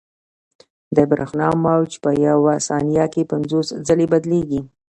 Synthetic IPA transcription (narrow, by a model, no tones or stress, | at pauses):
d̪əbɾʔa̰xnɑmawt͡ʃpəjawasɑnijɑkepanzosd͡zəlebad̪leɡi